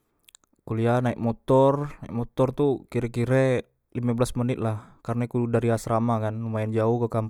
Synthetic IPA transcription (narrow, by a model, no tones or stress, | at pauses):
kulianaik̚mɔt̪ɔrnaik̚mɔt̪ɔrt̪ukiɾɛkiɾɛ | limabəlasmənɪt̪̚lahkarnakudaɾiasɾamakanːumaɛnd͡ʒauhkəkam